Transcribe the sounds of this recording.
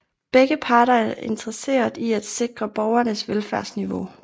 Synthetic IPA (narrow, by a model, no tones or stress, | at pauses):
b̥eɡ̥əpʰɑ̈ːɾɐæɐʔe̝nd̥ɐʁɐse̝̰ːɐðˠiæd̥se̝ɡ̥ʁɐb̥ɒʊɐnəsʋelfæɐ̰sniʋo̝